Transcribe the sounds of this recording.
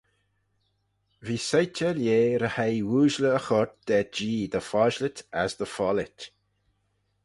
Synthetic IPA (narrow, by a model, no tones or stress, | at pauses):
viːsajtəljeːɾəhajwuːʒləːxɔɹt̪̚d̪̥ɛd͡ʒiːd̪əfɔːʒlɪt̪ʰa̰zd̪əfɔlɪtʲ